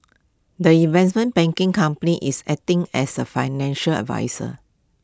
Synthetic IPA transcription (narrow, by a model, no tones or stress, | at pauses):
dəĩnvɛsmə̃nbɛ̃ŋkɪ̃ŋkãmpəniʔisɛk̚tɪ̃ŋɛsəfaɪnɛ̃nʃələ̰dva̰ɪsə̰